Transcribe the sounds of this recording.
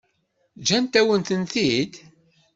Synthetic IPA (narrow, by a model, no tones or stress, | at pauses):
d͡ʒænt̪æwənt̪ənθid̪